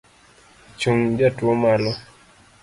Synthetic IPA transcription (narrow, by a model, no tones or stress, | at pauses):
t͡ʃuŋd͡ʒatwɔmalɔ